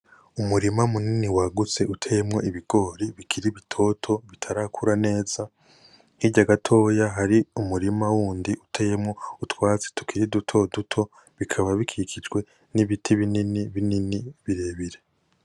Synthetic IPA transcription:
umuɾimaumuniniwaɡut͡se̞ʔutʰejemŋo̞ʔiβiɡ̥o̞ɾiβikʰiɾiβitʰo̞tʰo̞βitʰaɾakʰuɾane̞ːz̥a | hiɟaɡatʰo̞ːjaɦaɾiumuɾimawuːndiʔutʰeje̞mŋo̞utwaːt͡se̥tu̥kʰiɾidutʰo̞dutʰo̞ | βikʰaβaβikʰiikʰid͡ʒɡwe̞ | niβitʰiβininiβininiβiɾe̞βiɾe

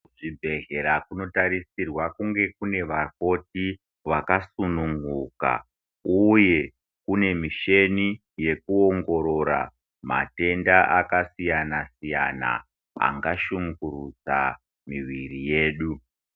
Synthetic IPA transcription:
ʐibʱe̞ɦe̞ɾakuno̞tarisirwakuŋɡe̞kune̞ʋaro̞ti | ʋakasunuŋɡuka̰ | uje̞ | kune̞miʃe̞ni | je̞kuo̞ŋɡo̞ɾo̞ɾa̰ | ma̰te̞ndaʔakasijanasija̰na̰ | a̰ŋɡaʃuŋɡurut͡sa̰ | miʋirije̞ːɗu

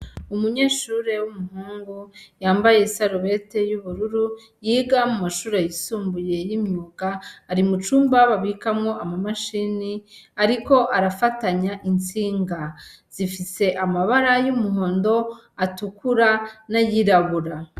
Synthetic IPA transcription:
umuɲe̞ːʃuːɾe̞wumuɦuːŋɡujaːmbaje̞saɾoβe̞te̞juβuɾuɾu | jiːɡamumaʃuːɾejisuːmbuje̞jimɲuːɡaːɾimut͡ʃuːmbaβaβikamŋo̞ʔamamaʃiːniaɾiko̞ʔaɾafataɲaʔint͡siːŋɡa | z̥ifise̞ʔamaβaɾajumuɦo̞ːndo̞ | atukuɾanajiɾaβuɾa

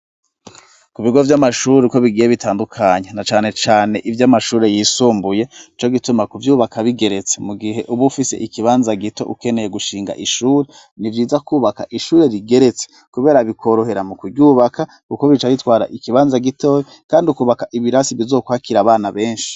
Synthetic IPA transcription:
kuβiɡo̞vjamaʃuːɾeko̞βiɡiːjeβitʰaːndukʰaɲenat͡ʃaːne̞t͡ʃaːne̞ʔivjamaʃuːɾe̞jiːsuːmbuje̞it͡ʃo̞ɡitumakuvjuːβakaβiɡe̞ɾe̞t͡se̞muɡiɦe̞ʔuβufise̞̰ʔikiβaːnzaɡito̞ʔuke̞ne̞jeɡuʃiːŋɡa̰ʔiʃuːɾe | nivjiːzakuːβaka̰ʔiʃuːɾe̞ɾiɡe̞ɾe̞t͡se̥ | kuβe̞ːɾaβikʰo̞ɾo̞ɦe̞ɾamukudɟuːβakʰa | kuko̞βit͡ʃaβitwaːɾa̰ʔikiβaːnzaɡito̞j | kaːndiukuːβakaʔiβiɾasiβizokwaːkiɾaβaːnaβe̞ːnʃi̥

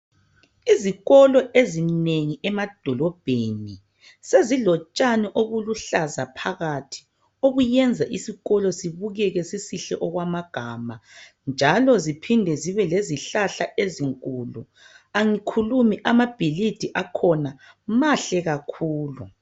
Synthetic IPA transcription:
iziɣɔlɔʔezineŋiʔɛmad̥ʱɔlɔb̥ʱeːni | seziɮɔt͡ʃʼaniʔoɣuluɬazapʰaɣatʰi̥ | oɣujɛnd͡zʱaʔisiɣɔlɔsiβuɣɛɣɛsisiɬɛʔɔɣwamaɡ̥ʱama | nd͡ʒʱalɔzipʰindʱɛziβɛleziɬaɬaʔeziŋkʼulu | aŋikʰulumiʔamab̥ʱilid̥ʱiʔakʰɔna | maɬɛɣakʰuːlu

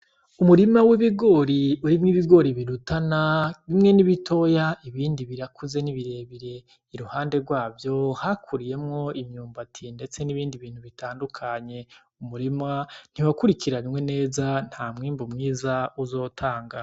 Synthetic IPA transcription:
umuɾimawiβiɡo̞ːɾiuɾimŋiβiɡo̞ɾiβiɾutanaβimŋe̞niβitʰo̞jaiβiːndiβiɾakʰuze̞niβiɾe̞βiɾe̞ | iɾuhaːnde̞ɡwaːvjo̞hakʰuɾije̞mŋo̞imɲuːmbatʰinde̞t͡se̞niβiːndiβiːn̥huβitaːndukʰaɲe̞ | umuɾiman̥iwakuɾikʰiɾaɾimwe̞ne̞ːzan̥haːmŋiːmbumŋiːzauzo̞ːtʰaːŋɡa

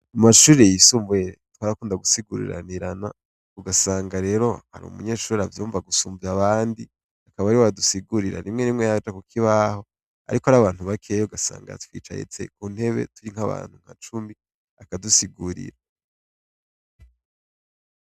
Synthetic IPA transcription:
amaʃuːɾejisuːmvueɾtwaːɾakuːndaɡusiɡuɾḭɾa̰niɾana | uɡasaːŋɡaɾe̞ɾo̞ha̰ɾṵmṵɲe̞ːʃuːɾeavjuːɱvaɡusuːmvuaβaːndi | akaβaɾiwdusiɡuɾiɾa̰nimŋe̞nimŋejat͡ʃakukʰiβaho̞ | a̰ɾikoaɾaβaːn̥huβakʰe̞joɡasa̰ːŋɡa̰twḭːt͡ʃa̰jḛt͡se̞̰kuːnhe̞βe̞̰tuɾiŋhaβa̰ːn̥huŋ̥ha̰t͡ʃumbi | akadusiɡuɾḭɾa

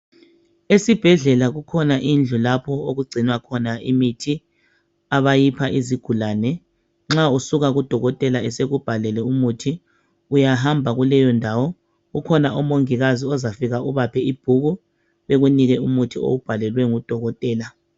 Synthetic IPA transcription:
esib̥ʱɛɮɛlaɣukʰɔnaʔind͡ɮʱulapʰɔoɣuɡ͡ǀʱinwakʰɔnaḭmitʰi | aβajipʰaʔiziɡ̥ʱulaːnɛ | ŋ͡ǁausuɣaɣud̥ʱɔɣɔtʼɛlaɛseɣub̥ʱalɛlɛumutʰi | ujaɦambʱaɣulɛjɔndʱawɔ | ɣukʰɔnaʔɔmoŋiɣaziɔzafiɣauβapʰɛib̥ʱuɣu | βeɣuniɣɛumutʰio̰ub̥ʱalɛlwɛŋud̥ʱɔɣɔtʼɛːla

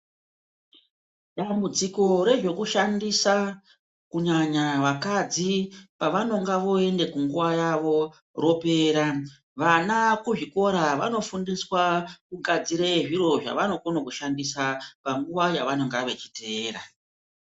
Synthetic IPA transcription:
ɗambud͡ziko̞ɾe̞ʐo̞kuʃandisa | kuɲaɲaʋakad͡zipaʋano̞ŋɡaʋo̞e̞nde̞kuŋɡuʋajaʋo̞ | ro̞pe̞ːɾa | ʋanakuʐiko̞ɾaʋa̰no̞fundiswakukad͡ziɾe̞ʐiɾo̞ʐa̰ʋano̞konokuʃandisapaŋɡuʋajaʋano̞ŋɡaʋe̞t͡ʃi̥te̞ːra̰

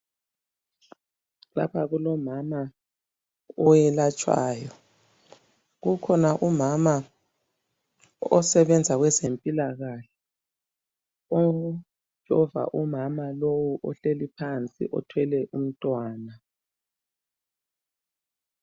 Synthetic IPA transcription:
la̰pʰaɣulɔmama | ɔjɛlat͡ʃʼwa̰ːjɔ | ɣukʰɔnaʔumama | ɔsɛβɛnd͡zʱaɣwɛzempʼilaɣaɬɛ̥ | o̥ | ʒ̥ʱɔva̰ʔumamalowuʔɔɬelipʰant͡sʼḭʔɔ̰tʰwɛlɛʔum̩tʼwaːna

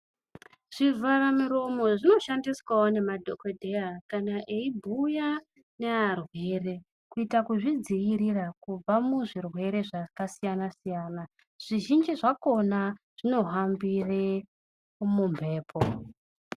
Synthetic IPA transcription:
ʐ̥ivaramuɾo̞mo̞ʐino̞ʃandiswaone̞madʱokodʱejakanaʔeibʱuja | ne̞arwe̞re̞ | kuitakuʐid͡ziʋiɾirakub͡vamuʐirwe̞ɾe̞ʐakasijanasijaːna | ʐ̥iʒind͡ʒiʐako̞naʐ̥ino̞ɦambire | mumbʱe̞ːpʰo

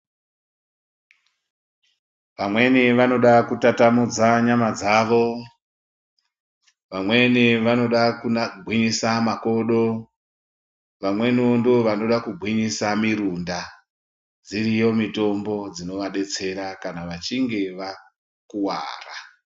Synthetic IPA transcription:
ʋamwe̞niʋano̞ɗakutatamud͡zaɲamad͡zaːʋo̞ | ʋamwe̞niʋano̞ɗakuɡʱwiɲisamako̞ɗo̞ | ʋamwe̞niondeoʋano̞ɗakuɡʱwiɲisamiɾunda | d͡zirijo̞mito̞mbo̞d͡zino̞ʋaɗe̞t͡se̞ɾakanaʋat͡ʃiŋɡe̞ʋa | kuwa̰ːra

